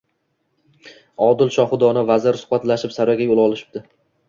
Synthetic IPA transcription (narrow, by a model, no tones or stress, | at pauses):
ɒd̪ɪlʃɒχʊd̪ɒnavazɪɾsʊ̥χbat̪laʃɪpsaɾɒɡʲajolˠɒlˠɪʃɪ̥b̚d̪̥ɪ